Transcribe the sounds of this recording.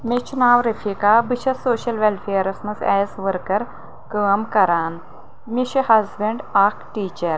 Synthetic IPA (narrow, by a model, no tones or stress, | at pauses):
met͡ʃʰunaːwɾɐfʰikaːbɨt͡ʃʰɐsoːʃɐlʋelpʰeːɾɐsmɐsɛːzʋɐɾkɐɾ | kəːmkɐɾaːn | miʃʰhɐzbɐɳɖakʰʈiːt͡ʃɐɾ